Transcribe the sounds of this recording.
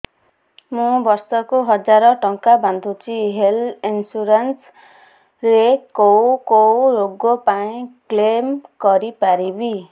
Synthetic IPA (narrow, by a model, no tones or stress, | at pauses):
mubʌrsʌkoɦʌd͡zaɾʌʈʌŋkabʱand̪ut͡sʰiɦelinsuɾens | rekowkowjoɡːopaĩklemkʌɾipaɾibi